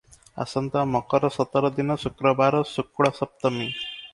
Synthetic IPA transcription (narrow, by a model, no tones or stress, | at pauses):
a̰sɐnt̪amɔkɔɾɔsɔt̪ɔɾɔd̪inɔsukɾɔbaɾɔsukɽɔsɐp̚t̪ɐmi